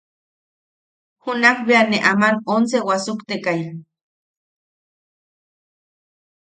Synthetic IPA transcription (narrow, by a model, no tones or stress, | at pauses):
hunakbeaneʔamanonsewasukt̪ekaja